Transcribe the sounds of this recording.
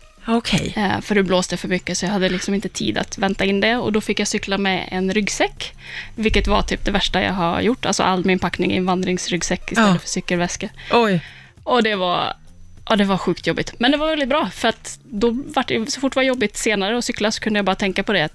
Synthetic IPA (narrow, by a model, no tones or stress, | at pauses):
ɔkʰɛ̰jfœɖʉbloːst̪əjafœɾmʏkːəsɔjahad̪ːəlɪksɔmɪnt̪ət̪ʰḭːd̪a̰t̪vɛnt̪aɪnːd̪ɛɔ̰d̪ɔfɪkːjasʏklamɛ̰ɛ̰nɾʏɡsɛkː | vɪlkːət̪va̰ʈ̪ʰy̰ːp̚d̪ɛvæʂʈaja̰ɡɦa̰ɾjʊʈːalsɔ̰ʔa̰lːmɪnpʰaknɪŋɪ̰nvand̪ɾɪŋsɾʏɡsɛkːɪsɛlːəfœ̥ʂsʏkːəlvɛskəɔj | ɔd̪ɛva̰ɾ | ʔɑːd̪ɛvaɾɧʉ̟ːkt̪ʰjɔbːɪt̪mɛnd̪ɛvaɾvɛlɪt̪̚bɾɑːfœɾat̪d̪ɔvaʈːjɛsɔfʊʈːɛvaɾjɔbːɪt̪seːnaɾəɔsʏklasɔ̥kʰɵnd̪əjabɑːɾat̪ʰɛŋkapʰɔd̪ɛat̪